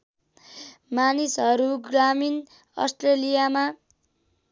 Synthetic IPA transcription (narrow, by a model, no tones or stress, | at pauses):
manisɦʌɾuɡramin | ʌ̰sʈrelijama